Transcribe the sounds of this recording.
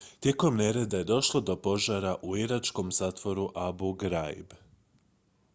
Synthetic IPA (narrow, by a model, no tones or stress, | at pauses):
t̪je̞ko̞mne̞ɾe̞d̪aje̞d̪o̞ʃlˠo̞d̪o̞po̞ʒaɾaʔuiɾat͡ʃko̞mz̥aːt̪ʋo̞ɾuʔabuɡɾajb